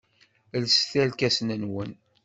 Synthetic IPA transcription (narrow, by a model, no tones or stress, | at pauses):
lsθælkæsnənwən